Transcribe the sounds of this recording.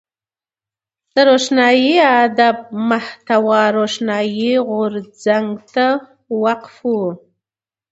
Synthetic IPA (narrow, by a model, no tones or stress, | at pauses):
d̪̥əɾoʃnɑjiad̪ab̚maht̪awɑɾoʃnɑjiɣʊɾd͡zaŋɡt̪a | waqfu